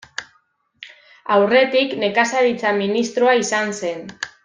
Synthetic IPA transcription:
awre̞t̪ikne̞kasaɾit͡saminist̪ɾoaisanse̞n

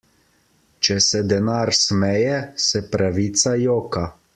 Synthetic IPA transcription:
t͡ʃɛsɛd̪ɛnaːɾsmɛjɛsɛpɾaʋiːt̪sajoːka

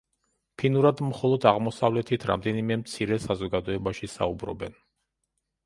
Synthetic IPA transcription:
pʰinuɾad̪mχɔlˠɔd̪aʁmɔsavlɛt̪ʰit̪ʰɾa̰md̪ɛnimɛmt̪sʰiɾɛsazɔɡad̪ɔɛbaʃisa̰ubɾɔ̰bɛn

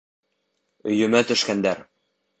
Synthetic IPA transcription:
ɵ̆jɵ̆mæt̪ɵ̆ʃkænd̪æɾ

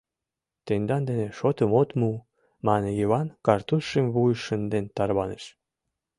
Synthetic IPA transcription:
t̪end̪ɑnd̪eneʃot̪əmot̪mu | mɑnejiβɑnkɑrt̪uʃemβujəʃənd̪ent̪ɑrβɑneʃ

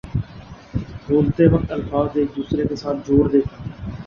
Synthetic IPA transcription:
boːlt̪eːʋək̚t̪əlfaːzd̪eːk̚d̪uːsɾeːkesaːnd͡ʒoːɽd̪eːkː

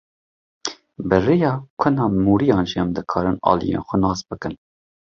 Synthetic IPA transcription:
bɨrejɑːkʷʰʊnɑːmuːɾijɑːnʒiɛmd̪ɨkʰɑːɾɨnɑ̰ːlḭjḛːnxʷɛnɑːsbɨkɨn

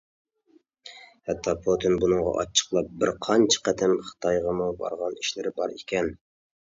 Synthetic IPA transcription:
hɛt̪ʰːɑpʰot̪ʰɪnbunɨŋʁɑ̰ʔɑ̰t͡ʃʰːə̥qlˠɑp̚bɪɾqʰɑnt͡ʃʰɑ̥qæt̪ʰɪmχɨ̥t̪ʰɑjʁɑmubɑ̰ɾʁɑniʃlɪɾɪbɑɾikʲʰɛn

